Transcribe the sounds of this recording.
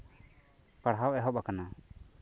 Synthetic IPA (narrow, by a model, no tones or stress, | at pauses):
paɽɦawʔɛɦɔɓakana